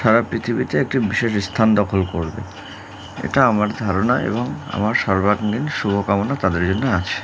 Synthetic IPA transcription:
ʃaɾapɾit̪ʰibit̪eek̚ʈibiʃeʃst̪ʰand̪ɔkʰolkoɾbḛ | ḛʈaamaɾd̪ʱaɾonaḛboŋa̰maɾʃɔɾbʱaɡninʃubʱokamonat̪ad̪eɾd͡ʑonːeat͡ɕʰe̥

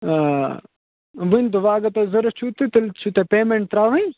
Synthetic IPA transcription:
ʋint̪uʋaːɡɐt̪ɐzɐɾɐt͡ʃʰut̪it̪ɐlt͡ʃʰut̪ɐpeːmeɳʈ̚t̪ɾaːʋɐ̃j

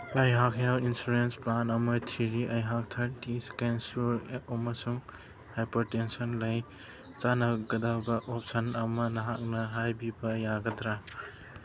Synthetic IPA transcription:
ɐjɦakʰjawinsuɾensplanɐmɐt̪ʰiɾiʔɐjɦak̚t̪ʰɐɾtiskansuɾɔmɐsuŋ | hajpɐɾtensɔnlɐj | t͡ʃanɐɡɐdabɐʔɔp̚sɐnɐmɐnɐɦak̚nɐɦajbibɐjaɡɐd̪ɾa

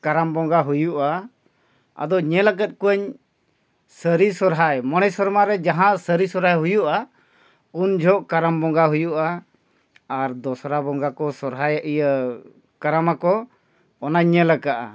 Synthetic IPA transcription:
kaɾambɔŋɡaɦujuʔa | a̰d̪ɔɲɛlakɛt̪̚kuəɲ | səɾisɔɾɦajmɔɽɛjsɔɾmaɾɛd͡ʒaɦãʔsəɾisɔɾɦajɦujuʔa | und͡ʒʱɔʔkaɾambɔŋɡaɦujuʔaː | ɾd̪ɔsɾabɔŋɡakɔsɔɾɦajəʔijə | kaɾamakɔ | ɔnaɲːɛlɛkaʔa̰

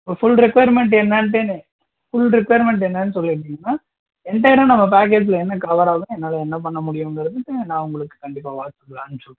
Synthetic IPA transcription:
pofʊlɾɪkʋɐjɐɾmɛɳʈɛnːɐːɳʈeːn | fʊlɾɪkʋɐjɾmɛɳʈɛnːɐːnːɯsɔlːɪɪʈ̬ːɪŋɡɐnːaː | ɛnd̪ɐːɪɽɐ̃ːnɐmːɐp̬aːk̬eːd͡ʒɪlɐɛnːɐkɐʋɐɾaːɣʊ̃ɛnːaːlɐɛnːɐp̬ɐɳːɐmʊɽɪjʊŋɡɪɾɐðɯkːɯnãːʊŋɡɐɭɯkːɯ̥kɐɳɖɪpːaːʋaːt̪ːɯkːlãːnːɯsɔlːɯ̃

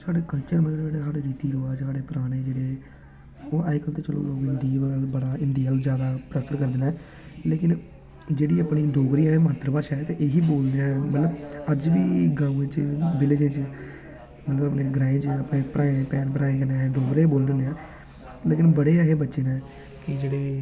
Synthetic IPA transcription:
saːɖeːkəlt͡ʃəɾmət̪ːeːɽesaːɽeːɾiːt̪iːɾoaːsaːɽeːpəɾaːɽ̃eːd͡ʒeːɽeː | oːʔakəlt̪eːt͡ʃəlo̰ːloːɡɪnd̪iːbəbəɽaːɪnd̪iːəld͡ʒjaːd̪aːpɾəst̪əɾkəɾd̪ɪnɛː | leːkɪn | d͡ʒeːɽiːəːpɽiːɖoːɡɾiːãːemaːt̪ːɾəpaːʃaːt̪eʔeːɦiːboːld̪eãːmət̪ləbəd͡ʒʋiːɡãːũːẽːt͡ʃbɪlɪd͡ʒẽːt͡ʃ | mət̪ləbəpneːɡəɾãːẽːt͡ʃəpɽẽːpɾʔaːẽːpɛːnpəɾaːẽːkəneaeɖoːɡɾeːboːlnːneːaː | leːkɪnbəɽeːaɦeːbətːʃeːnɛ̃ː | kɪd͡ʒeːɽeː

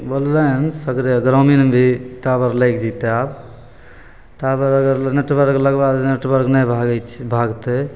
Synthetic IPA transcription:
bəllənsəkɾeɡɾominbʱiʈabəɾləjkd͡ʒit̪eab | ʈabəɾəɡəɾneʈbəɾkləɡbaɡneʈbəɾknəbʱaɡɛt͡ʃʰbʱaɡt̪e

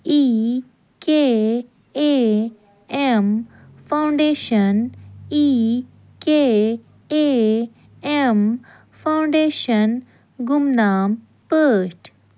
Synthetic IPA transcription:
i | ke | e | em | fawɳɖeɕəni | ke | e | em | fʰawɳɖeɕən | ɡumnaːm | pəʂʈ

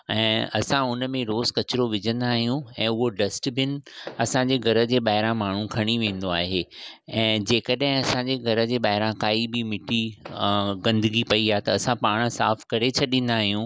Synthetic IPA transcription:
ɛ̃ːɐ̰sãʊnəmẽɾoːzkɐt͡ɕɪɾoʋɪd͡ʑə̃nd̪aːɦijũɛ̃ːʊɦoɖɐsʈbɪnɪ̆ɐsãɲd͡ʑeːɡʱɐɾə̆d͡ʑeːɓaːɦɪɾãmaːɳ̤ũkʰɐɽ̃iʋẽːn̆d̪oaːɦe | ɛ̃ːd͡ʑeːkəɗɦɪ̃ɐsãɲd͡ʑeːɡʱɐɾə̆d͡ʑeːɓaːɦɪɾãkaːibɪmɪʈʰi | ɡɐ̃nd̪əɡipɐiɦat̪ɐːsãpaːɽ̃̆sa̰ːfkɐɾet͡ɕʰɐɗĩn̆d̪aːɦijũː

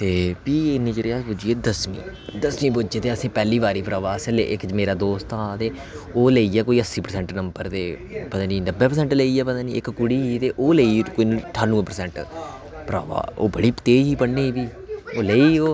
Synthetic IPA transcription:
t̪eːpiːɪnĩːd͡ʒəɾeaːpud͡ʒieːd̪əsmḭː | d̪əsmĩːpʊd͡ʒeːt̪eːəsĩːpɛːliːʋaːɾiːpɾaːʋaːsɛlḛːʔɪkd͡ʒmeːɾaːd̪oːst̪ãt̪eː | oːləiːɛːkoːiːəsːiːpəɾsɛ̃ɳʈnəmbəɾt̪eː | pət̪ãːd͡ʒiːnəbːeːpəɾsɛ̃ɳʈləiːɛːpət̪ãːd͡ʒiːɪkkʊɽiːɦiːt̪eːʔoːleikoiʈʰaːnũːpəɾsɛ̃ɳʈ | pɾa̰ːʋa̰ːo̰ːbəɽiːt̪eːɦiːpəɽniːbiː | oːləːiːoː

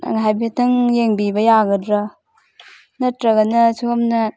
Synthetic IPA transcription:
a̰ŋɦajbetʰɐŋjeŋbibɐjaɡɐdɾɐ | nɐtɾɐɡɐnɐsʰuɐmnɐ

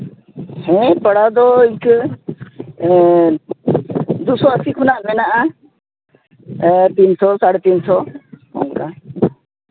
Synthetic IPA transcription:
hɛ̃pəɽad̪ɔik | d̪usɔəsikʰʊnaʔbɛnaʔa | t̪iːnsɔsaɽɛt̪insɔṵŋka

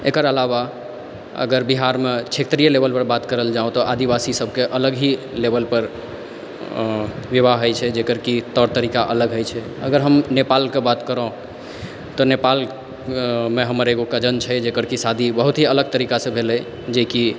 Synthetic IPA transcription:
ekəɾəlaβa | ə̰ɡəɾbiɦaɾmet͡ʃʰet̪ɾijəlebəlpəɾbat̪kəɾəld͡ʒaõt̪ɔʔad̪ibasisəb̚ʱkeʔələɡɦi | lebəlpəɾ | ʋjiβaɦɦəjt͡ʃʰɛd͡ʒekəɾkit̪ɔɾt̪əɾikaʔə̰ləɡɦojt͡ʃʰɛ | ə̰ɡəɾɦəmnepalkebat̪kəɾəɦũ | t̪ɔnepal | meɦəməɾeɡokad͡ʒənt͡ʃʰɛd͡ʒekəɾkisad̪ʱibəɦut̪ɦiələɡ̚t̪əɾikasə̃bʱelɛ | d͡ʒeki

